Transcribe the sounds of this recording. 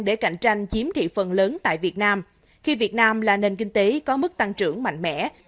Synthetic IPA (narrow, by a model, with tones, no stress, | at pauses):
ŋɗe˧˩ka̰˧˩jŋ̟t͡ɕa˧jŋ̟t͡ɕi˨˦əmt̪ʰḭ˧˨fə˨˩nləː˨˦nt̪a̰ː˧˨jvi˨˩ət̚naː˧m | xi˧vi˨˩ət̚naː˧mlaː˨˩ne˨˩nk̬ï˧ŋ̟t̪e˨˦kɔ˨˦mɨ˦˥k̚t̪a˧ŋt͡ɕɨ̰˧˩əŋma̰˧˨ŋ̟mɛ̰˧˥